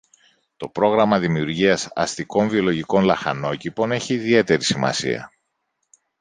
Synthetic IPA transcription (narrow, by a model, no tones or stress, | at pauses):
t̪o̞pɾo̞ɣɾɐmɐðimiuɾʝiɐsɐ̰st̪iko̞ɱvio̞lo̞ʝiko̞nlɐxɐ̰no̞cipo̞ne̞çiːðie̞t̪e̞ɾisimɐ̰sḭɐ̰